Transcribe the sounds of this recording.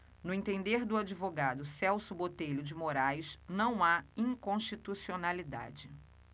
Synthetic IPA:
nʊẽt̪ẽnd̪eɾd̪ʊad͡ʒivoɡad̪ʊsɛwsʊbot̪ejʎʊd͡ʒɪmoɾajsnɐ̃w̃aĩŋkõʃt͡ʃit̪usionalid̪a̰d͡ʒɪ

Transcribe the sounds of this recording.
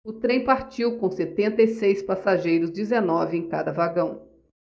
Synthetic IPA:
ʊt̪ɾẽj̃paɾt͡ʃiwkõw̃set̪ẽnt̪ɐjsejspasaʒejɾʊzd͡ʒɪzenɔvɪẽj̃ka̰d̪ɐvaɡɐ̃w̃

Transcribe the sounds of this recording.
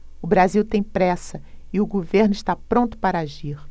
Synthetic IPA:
ʊbɾaziwt̪ẽj̃pɾɛsɐɪʊɡoveɾnʊɪst̪apɾõnt̪ʊ̥paɾɐaʒiɾ

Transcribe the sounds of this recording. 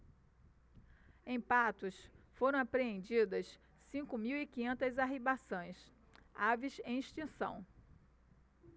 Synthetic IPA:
ẽj̃pat̪ʊsfoɾɐ̃w̃apɾeẽnd͡ʒid̪ɐs | sĩkʊmiwikĩɲẽnt̪ɐzaɦibasõj̃s | avizẽj̃iʃt͡ʃĩsɐ̰̃w̃

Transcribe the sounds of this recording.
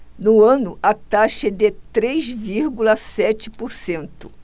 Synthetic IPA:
nʊɐ̃nʊʔɐt̪aʃɐd̪ɪt̪ɾejzviɾɡulɐsɛt͡ʃɪpoɾsẽnt̪ʊ̥

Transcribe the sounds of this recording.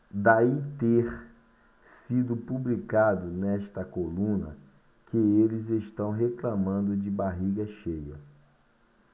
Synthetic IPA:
d̪ait̪eɾ | sid̪ʊpublikad̪ʊnɛʃt̪ɐkolũnɐ̰ | kɪelɪzeʃt̪ɐ̃w̃ɦeklamɐ̃nd̪ʊd͡ʒɪbaɦiɡɐʃejɐ̰

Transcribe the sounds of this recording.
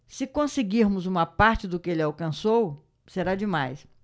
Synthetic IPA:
sɪkõsɪɡiɾmʊzũmɐpaɾt͡ʃɪd̪ʊkɪelɪawkɐ̃sow | seɾad͡ʒɪmajs

